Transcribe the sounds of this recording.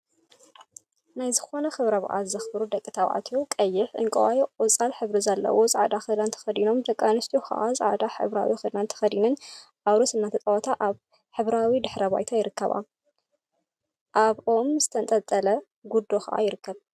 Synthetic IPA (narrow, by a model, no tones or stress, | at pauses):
najzɨxo̞nɐxɨβɾɐβɨ̰ʔa̰zɐxbɾud̪ɐkʼːɨt̪ʰawʕa̰t̪ʰjokʼɐjːɪħʔɨ̰ŋkʼɐwajʔʼɔt͡sʼalħɨβɾizɐlːɐ̰wozʼɨʕad̪axɨlant̪ʰɐ̥xɐd̪ino̞md̪ɐkʼːanɨst̪ʰʼoxɐ̰ʔazʼɨ̰ʕd̪aħɨ̰βɾa̰wixɨd̪nant̪ʰɐ̥xɐd̪inɨnʔaβɾosɨnːat̪ʰɐt̪ʼɐwɐt̪ʰaʔaβ | ħɨβɾawid̪ɨħɾɐba̰jt̪ʰajɪɾɨkʰːɐβa̰ | ʔaβʔo̞mzɨt̪ʰɐnt̪ʼɐt̪ʼɐlɐ | ɡud̪ːo̞xɐʔa̰jɪɾɨkːɐβ